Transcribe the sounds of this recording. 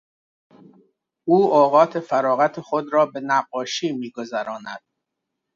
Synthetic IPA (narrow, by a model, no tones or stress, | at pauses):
ʔuːoːɣɒːt̪ʰe̞fæɾɒːɣæt̪ʰexod̪ɾɒːbe̞næɢːɒːʃiːmiːɡozæɾɒːnæd̪̥̚